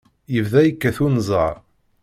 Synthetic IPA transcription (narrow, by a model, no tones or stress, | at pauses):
jəvðæjəkːæθunzˤəʕ